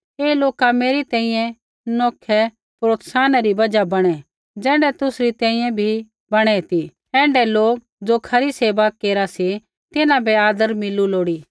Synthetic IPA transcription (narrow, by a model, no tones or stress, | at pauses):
eːloːkameːɾit̪ɛ̃ːĩjɛ̃ | nɔːkʰɛ | pɾoːt̪saːnaɾibɐd͡ʒabɐɽ̃ɛ | d͡ʒɛ̃ːɳɖɛt̪ʊsɾit̪ɛ̃ːĩjɛ̃bʱi | bɐɽ̃ɛt̪i | ɛ̃ːɳɖɛloːk̚ | d͡zokʰɐɾiseːʋakeːɾasi | t̪ɪnãbʱɛaːd̪əɾmɪluloːɽiː